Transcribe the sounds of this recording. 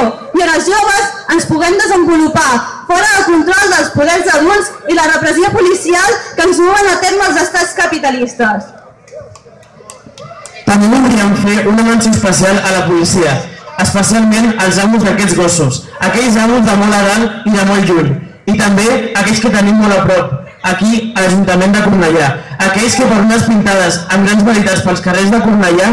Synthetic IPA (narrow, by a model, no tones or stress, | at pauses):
iənəlˠzʒoβəzənspuɣɛmd̪əzəmbulupafɔɾəðəlˠkunt̪ɾɔlˠd̪əlˠspuðɛɾzəðulzilərəpɾəziopulisialˠkənzmɔβənət̪eɾməːlˠzəst̪at͡skəpit̪əlist̪əs | t̪əmeβuðɾiəɱfeʔunəmansəəspəsialˠələpulisiəəspəsialˠmenəlˠzaβulˠzðəkɛd͡zɣɔsus | əkɛʎzaβulˠzðəmɔlˠəɣaliðəmɔlˠʎuɲ | it̪əmbeəkɛʎskət̪ənimːɔləpɾɔp | əkiəʒunt̪əmẽnd̪əkurnəʎaəkɛʎskəpəɾunəspint̪aðəzəmɡɾanzβəɾit̪at͡spəlˠskərezðəkuɾnəʎa